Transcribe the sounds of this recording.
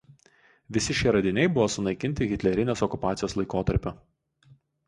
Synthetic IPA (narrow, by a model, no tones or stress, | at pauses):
ʋʲɪsʲɪʃʲɛɾɐd̪ʲɪnʲɛɪbʊʋoːsʊnɐɪkʲɪnʲt̪ʲɪɣʲɪt̪ʲlʲɛɾʲɪnʲeːsɔkʊpɑːt̪sʲɪjoːslˠɐɪkoːt̪ɐɾʲpʲo